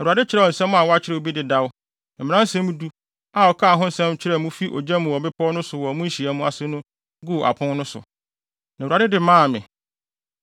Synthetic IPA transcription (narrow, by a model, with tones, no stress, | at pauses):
u˨a˨dɪ˦t͡ɕʰɪ˦ɾɛ˦˨ɔ˨n̩˨sɛ̃˦mʊ̃˦a˨wɔ˦a˦t͡ɕʰɪ˦ɾɛ˨o˨bi˦dɪ˨da˦wʊ˦˨ | m̩˨mɪ̃˨nã˦n̩˦sɛ̃˦mũ˦du˦ | a˨ɔ˨kʰa˦˨ɦʊ̃˦n̩˦sɛ̃˦mt͡ɕʰɪ˦ɾɛ˨mũ˦fi˦ʔɔ̰˨d͡ʑɛ̃˦mʊ̃˨wɔ˨bɪ˦pʰɔ˦nʊ̃˦sʊ˨wɔ˨mũ˦n̩˦ɕi˨a˦mũ˦a˨sɪ˦nʊ̃˦ | ɡu˦˨ʔa̰˨pʰʊ̃˦nnʊ̃˦sʊ̰˨ | nã˨u˨a˨dɪ˦dɪ˨mãː˦˨mɪ̃˨